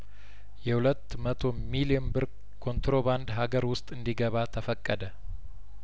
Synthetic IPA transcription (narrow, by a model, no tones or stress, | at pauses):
jɛhulət̪ːmət̪ʰo̞miliɛnbɨɾ | kʰo̞nt̪ɾo̞βand̪ɦaɡəɾwʊst̪ʼɨnd̪iɡəβat̪ʰəfəkʼːəd̪ə